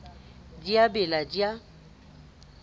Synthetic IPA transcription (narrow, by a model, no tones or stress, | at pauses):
d͡ʒiabɪlad͡ʒja